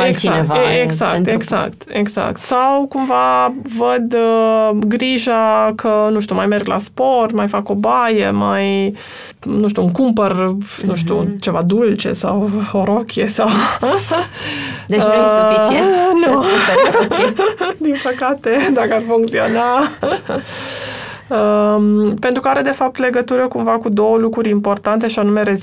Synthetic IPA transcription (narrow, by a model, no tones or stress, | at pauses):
ɛkiaɛvaɛksa̰kt̪ɛksa̰k̚t̪ɛksa̰k̚t̪sawkumvavəd̪ | ɡɾiʒakʰənuʃ̬t̪umajmɛɾɡla̰spɔɾt̪majfakɔbajɛmaj | nuʃt̪uŋkumpəɾnuʃt̪ut͡ʃəvad̪ult͡ʃɛ̰sa̰woɾokʲiesaw | d̪eə | nu | d̪inpəkat̪e̞d̪akəarfuŋkt̪sio̞na | əmpe̞nt̪ɾukəaɾe̞d̪e̞fap̚t̪le̞ɡət̪uɾəkumvakud̪o̞wəlukɾuɾʲimpo̞rt̪ant̪e̞ʃianume̞ɾe̞z